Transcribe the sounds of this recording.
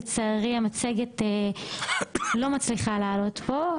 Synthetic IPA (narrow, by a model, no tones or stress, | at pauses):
t͡saːʁiamat͡seɡete | lo̞mat͡sliχalaːlo̞t̪bo̞